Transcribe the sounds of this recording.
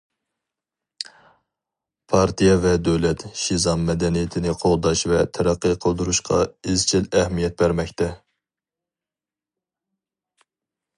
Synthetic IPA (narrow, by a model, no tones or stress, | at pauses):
pʰɑɾt̪ijɛvɛd̪øwlɛt̪ʃizɑmmɛd̪ɛnijɪt̪ʰɪnɪqʰolˠd̪ɑʃvɛt̪ʰɛɾæqːəqʰəlˠd̪uɾuʃqʰɑ̰ezt͡ʃʰilɛhmijɛt̪̚bæɾmɛkʲt̪ʰɛ